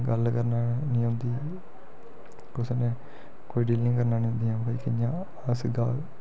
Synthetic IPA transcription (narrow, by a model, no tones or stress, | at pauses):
ɡəlkəɾnaːnĩːnd̪iː | kʊsnẽː | koːiːɖiːlɪ̃ŋkəɾnaːnĩːʊ̃nd̪iːãːpəikɪjãː | əsɡaː